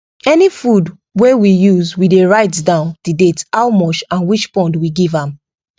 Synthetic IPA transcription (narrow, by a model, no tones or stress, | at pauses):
ɛnifud | wewijuzwideɹaɪtdãʊ̃nd̥idethawmɔt͡ʃãnwit͡ʃpɔ̃ndwiɡivãm